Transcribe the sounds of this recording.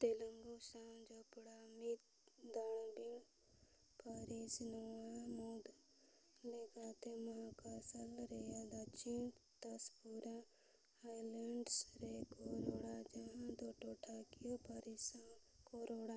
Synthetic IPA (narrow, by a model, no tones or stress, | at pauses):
t̪eləŋɡusãːd͡ʒopɽaːmit̪ | d̪aɳ̃biŋ | paɾisnoːamoːd̪ | leɡaːt̪emaãkasəlɾejad̪at͡ʃint̪ɐspuɾa | aːjləɳɖsɾekoɾoːɽad͡ʒɐɦãd̪oːʈoʈʰaːkijopaɾisã | koːɾoːɽa